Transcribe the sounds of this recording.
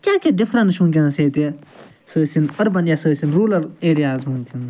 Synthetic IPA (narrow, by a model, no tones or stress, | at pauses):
kʲjaːkeɖɪfʰɾɐ̃nʃuːnkʲĩnseːt̪e | səːsinɐɾbɐnjasəːsinɾuːlɐɾeːɾijaːzɦũːnkʰin